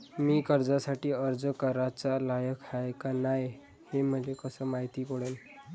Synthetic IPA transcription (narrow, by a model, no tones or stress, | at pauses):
miːkəɾd͡zasaʈiːəɾd͡zəkəɾat͡salajəkʰaekanaj | heməlekəsəmaɦit̪ikoɽəl